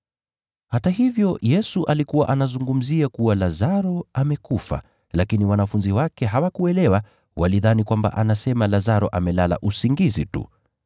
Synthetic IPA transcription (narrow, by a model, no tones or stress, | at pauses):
hataɦivjɔjɛsuʔalikuwa̰ʔanazuŋɡum̩ziakuwalazaɾɔamɛkufa̰ | lakiniwanafunziwakɛɦawakuɛlɛwa | wʔaliðanikwamba̰ʔanasɛmalazaɾɔʔamɛlala̰ʔusiŋɡizitṵ